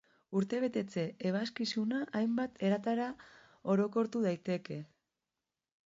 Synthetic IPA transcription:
uɾt̪e̞β̞e̞t̪e̞t͡se̞eβ̞askisunaʔːjmbat̪ʰe̞ɾat̪aɾa | o̞ɾo̞ko̞ɾt̪uð̞ajt̪e̞ke̞

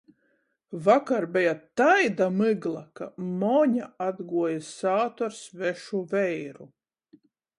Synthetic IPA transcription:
vakaɾbɛjat̪ajd̪amɨɡlˠaka̰mɔɲaad̪ɡuɔjasaːt̪ɔɾsvɛʃuvɛjɾu

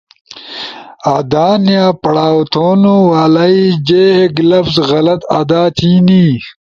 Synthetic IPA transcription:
ad̪aːnjaːpɐɽaːwt̪ʰoːnowaːlaid͡ʑeːeɡlɐfzɣɐlɐt̪a̰d̪aːt̪ʰiːni

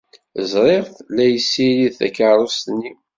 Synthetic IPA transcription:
zɾˤeʁθlæjəsːiliðθæ̰kaɾˤost̪nːi

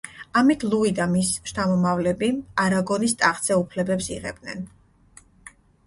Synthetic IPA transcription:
amit̪ʰlˠuid̪amisʃt̪ʰamɔmavlɛbiaɾaɡɔnist̪ʼaχsɛupʰlɛbɛpsḭʁɛ̰b̚d̪nɛ̰n

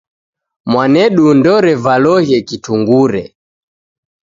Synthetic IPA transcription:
mwanɛɗundɔɾɛvalɔhjɛkituŋɡuɾɛ

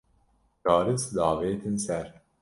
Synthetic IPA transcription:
t͡ʃɑːɾɨsd̪ɑːveːt̪ʰɨnsæɾ

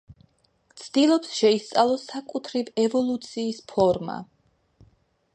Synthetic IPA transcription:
t̪sʰd̪ilˠɔpsʃɛist̪sʼalˠɔsakʼut̪ʰɾivɛvɔlˠut̪sʰiːspʰɔɾma̰

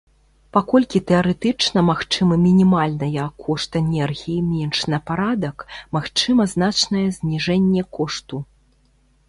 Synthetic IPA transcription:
pakɔlʲkʲit̪ɛɐɾɛt̪ɨt͡ʂnɐmaxt͡ʂɨmɨmʲinʲimalʲnɐjɐkʰːɔʂt̪ɛnʲɛrɣʲijimʲɛnʂnɐpaɾad̪ɐkmaxt͡ʂɨmɐznat͡ʂnɐjɛzʲnʲiʐɛnʲːɛkɔʂt̪u

